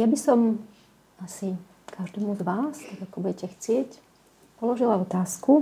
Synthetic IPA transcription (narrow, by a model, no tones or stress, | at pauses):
jabisɔm | asi | kʰaʒd̪ɛmuzʋaːst̪aɡakɔbuɟɛcɛxt͡sɪɛc | pɔlɔʒilaɔt̪aːsku